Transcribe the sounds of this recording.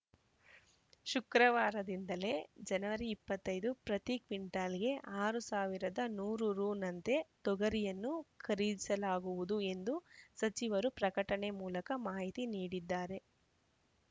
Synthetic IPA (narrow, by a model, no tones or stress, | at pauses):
ʃukɾɐʋaːɾɐd̪ind̪ɐle̞ːd͡ʒɐnɐʋɐɾiːpːɐt̪ːɐjd̪upɾɐt̪ikʋiɳʈaːlɡe̞ʔaːɾusaːʋiɾɐd̪ɐnuːɾuɾuːnɐnt̪e̞t̪ɔɡɐɾijɐnːukʰɐɾid͡ʒ̪isɐlaːɡuʋud̪ue̞nd̪usɐt͡ʃiʋɐɾupɾɐkɐʈɐɳe̞muːlɐkɐmaːɦit̪iniːɽid̪ːaːɾe̞